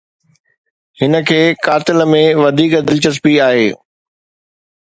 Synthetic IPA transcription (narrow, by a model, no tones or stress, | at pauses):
hɪnə̆kʰeːkaːt̪ɪləmẽʋɐd̪ʱiːkd̪ɪlt͡ɕəspiaːɦeː